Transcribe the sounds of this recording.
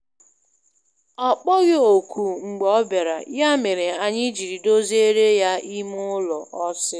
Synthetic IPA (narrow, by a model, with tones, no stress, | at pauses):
ɔ˨k͡pɔ˦ɣɪ˦o˨ku˨ŋ͡m̩˨ɡ͡bɔ˦be˨ɾa̰˨ja˦me˨ɾe˨a˨ɲɪ˦d͡ʒi˨ɾi˨do˦ze˦ɾe˦ja˦i˦m˦ʊ˦lɔ˨ʔɔ˦sɪ˦